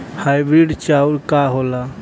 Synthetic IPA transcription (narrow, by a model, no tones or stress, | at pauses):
hajbɾiɖt͡ʃauɾkaɦola